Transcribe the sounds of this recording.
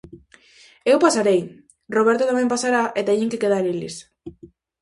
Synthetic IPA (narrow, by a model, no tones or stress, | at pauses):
ewpasaɾej | roβeɾt̪ot̪amempasaɾaʔet̪aeʎiŋkekeðaɾilis